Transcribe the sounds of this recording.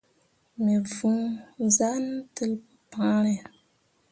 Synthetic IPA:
me˨vũ˦za˦n˦tɨ˦lpɨ˦pã˦ɾɛ˨

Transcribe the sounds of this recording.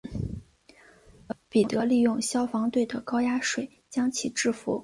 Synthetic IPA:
pi˨˩˥t̪ɤ˧˥li˥˧jʊ˥˧ŋɕjɑ˥ʊfɑ˧˥ŋt̪we˥˩ɪd̪ə˩kɑ˥ʊja˥ʂwe˨˩ɪt͡ɕjɑ˥ŋt͡ɕʰi˨˩ʈ͡ʂɻ̩˥˩fṵ˧˥

